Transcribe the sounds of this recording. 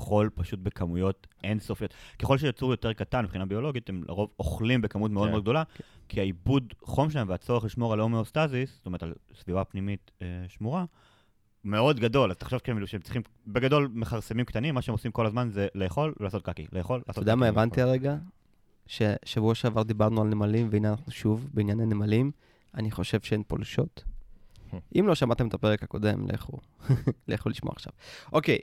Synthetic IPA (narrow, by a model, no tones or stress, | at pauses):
χo̞lpaʃut̚be̞kʰamujo̞tʔe̞nsofjot̪ke̞χo̞lʃejot͡suʁjo̞t̪e̞ʁkatanbχinabio̞lo̞ɡit̪emlʔa̰ʁovoχlimbekamut̪̬meodeodɡ̚d̪o̞lakʰiaibudχo̞mʃelaemveat͡so̞ʁeχliʃmo̞ʁalomiost̪azistomeʁet̪alsvivapnimit̪eʃmuʁa | me̞o̞d̪ɡado̞lazt̪aχʃo̞vkeemuʃeemtt͡si̥χim | be̞ɡado̞lmeχaʁsemimkt̪animːaʃeemosimko̞lazmanzelejaχo̞lvlaːso̞t̪̚kakḭlejaχo̞laːstoodeamaevant̪iaʁeɡa | ʃeʃavuaʃeavaʁd̪ibaʁnualnemalimveinanaχnuʃuvbeinjananemalim | aniχo̞ʃe̞vʃeenpo̞̰lʃo̞t̪ | ʔimlo̞ʃamat̪emet̪ape̞ʁekhako̞̰de̞̰mlʔḛχṵ | leχuliʃmo̰a̰χʃa̰vʔo̞kej